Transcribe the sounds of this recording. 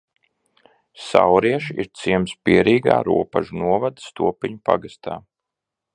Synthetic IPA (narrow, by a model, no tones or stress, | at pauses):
sa̰wɾiɛʃḭɾt̪siɛmspiɛɾʔiːɡa̰ːɾṵɔpa̰ʒunuɔvad̪ɨst̪ṵɔpiɲupa̰ɡast̪a̰ː